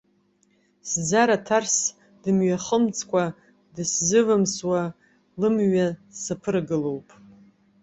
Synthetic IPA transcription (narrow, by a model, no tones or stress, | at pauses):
sd͡zaɾatʰars | dɨmɥaχəmt͡sʰʼkʷʰʼa | dɨszɨvɨmswa | lɨmɥasapʰɨrɡɨlowpʼ